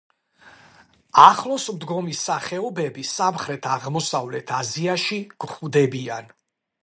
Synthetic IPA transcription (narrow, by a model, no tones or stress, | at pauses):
aχlˠɔsmd̪ɡɔmisaχɛɔbɛbisamχɾɛt̪ʰaʁmɔsavlɛt̪ʰaziaʃiɡ̥χuvd̪ɛbian